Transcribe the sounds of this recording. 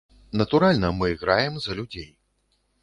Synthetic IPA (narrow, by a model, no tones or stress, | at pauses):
nɐt̪uɾalʲnɐmɨiɣɾajɛmzɐlʲud͡zʲej